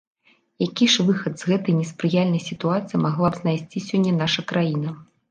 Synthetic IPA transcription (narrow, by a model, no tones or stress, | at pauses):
jakʲiʂvɨxɐd̪z̥ɣɛt̪ɐjnʲɛspɾɨjalʲnɐjsʲit̪uat̪sɨjmaɣlˠabznajsʲt͡sʲisʲɔnʲːɐnaʂɐkɾajinɐ